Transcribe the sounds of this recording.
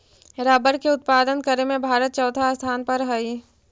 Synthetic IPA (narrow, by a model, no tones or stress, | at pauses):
ɾaːbəɾkeʊt̪̚paːd̪ənkəɾemẽbʱaːɾət̪̚t͡ʃɔʊt̪ʰast̪ʰaːnpɐɾɦəi